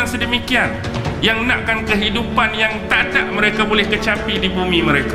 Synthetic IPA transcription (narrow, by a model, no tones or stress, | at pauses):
ŋsədəmikian | jaŋnaʔkankəɦidupanjaŋt̪adaʔmə̃ɾekabolɛhkət͡ʃapidibumĩmə̃ɾeka